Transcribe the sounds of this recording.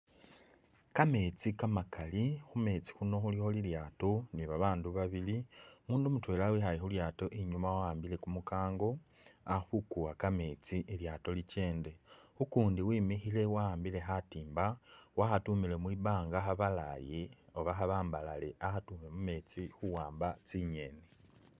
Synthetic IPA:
kame̞t͡sikamakalixume̞t͡si̥xuno̞xulixo̞liljaːto̞niβaβaːnduβaβilimuːndumutwe̞ːlawixajixuljaːto̞ʔiɲumawaaːmbile̞kumukaːŋɡo̞ | aβukuwakame̞t͡siʔiljato̞lit͡ʃe̞ːnde̞ukuːndiwiːmixile̞waːmbile̞xatiːmbawaxatumile̞mwiβaːŋɡaxaβala̰jeoβaxaβaːmbalale̞ʔaxatume̞mume̞t͡sixuwaːmbat͡siɲe̞ne

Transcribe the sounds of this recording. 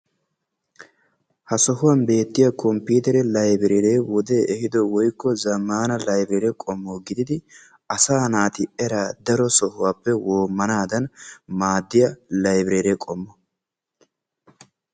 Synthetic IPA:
hɐsɔɦʊwɐnbe̞ːt̪ːɪjɐkʰɔmpːiːt̪ɛɾɛlɐjbɪɾeɾeːwɔd̪eːʔɛhɪd̪ɔwɔjkːɔzɐmːaːnɐlɐjbɾeːɾɛkʼɔmːoːɡɪd̪ɪd̪ɪ | ʔɐsaːnaːt̪ɪʔɛɾaːd̪ɐɾɔsɔhʊwaːpːɛwoːmːɐnaːd̪ɐnmaːd̪ːɪjɐlɐjbɾeːɾekʼɔmːɔ

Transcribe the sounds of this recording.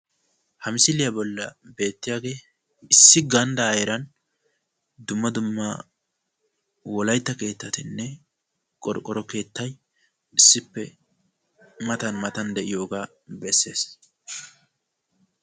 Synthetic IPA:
hɐmɪsɪlɪjɐbɔlːɐbe̞ːt̪ːɪjaːɡe̞ː | ɪsːɪɡɐnd̪ɐɐjɛɾɐn | d̪ʊmːɐd̪ʊmːɐ | wɔlɐjt̪ːɐke̞ːt̪ːɐt̪ɪnːɛ | kʼɔɾkʼːɔɾɔke̞ːt̪ːɐj | ɪsːɪpːɛ | mɐt̪ɐnmɐt̪ɐnd̪ɛʔɪjo̞ːɡaː | bɛsːe̞ːs

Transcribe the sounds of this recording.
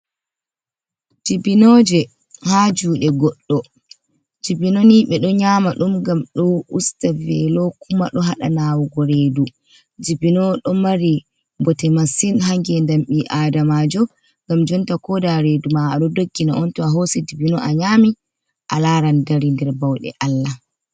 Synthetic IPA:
d͡ʒibinɔd͡ʒɛ | had͡ʒuːɗɛɡɔɗːɔ | d͡ʒibinoniɓɛɗɔɲaːmaɗumɡamɗɔʔustavɛlɔkuma̰ɗɔɦaɗa̰naːwɔɡɔɾeːdu | d͡ʒibinɔɗɔmaɾi | bɔtɛmasinɦaŋɡɛndamɓiʔadamad͡ʒɔ | ŋɡamd͡ʒɔntakɔdaɾedumaːɗɔdoɡːinaɔntɔaɦosid͡ʒibinɔʔaɲaːmi | ʔalaɾandaɾindɛɾbawɗɛ̰ʔalːa

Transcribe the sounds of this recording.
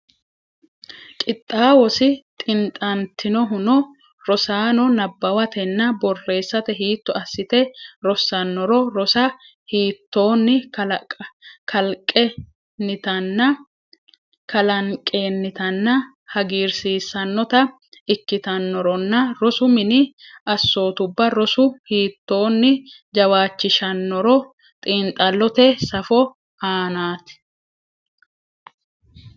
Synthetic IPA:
kʼɪt̪ʼːaːwɔsɪt̪ʼɪnt̪ʼɐnt̪ɪnɔɦʊnɔ | ɾɔsaːnɔnɐbːɐwɐt̪ɛnːɐbɔrːe̞ːsːɐt̪ɛɦiːt̪ːɔɐsːɪt̪ɛɾɔsːɐnːɔɾɔɾɔsɐ | hiːt̪ːo̞ːnːɪ | kʰɐlkʼɛ | nɪt̪ɐnːɐ | kɐlɐŋkʼe̞ːnːɪt̪ɐnːɐ | hɐɡiːɾsiːsːɐnːɔt̪ɐ | ɪkːɪt̪ɐnːɔɾɔnːɐɾɔsʊmɪnɪɐsːo̞ːt̪ʊbːɐɾɔsʊhiːt̪ːo̞ːnːɪ | d͡ʒɐwaːt͡ʃːɪʃɐnːɔɾɔ | t̪ʼiːnt̪ʼɐlːɔt̪ɛsɐfɔ | aːnaːt̪ɪ̥

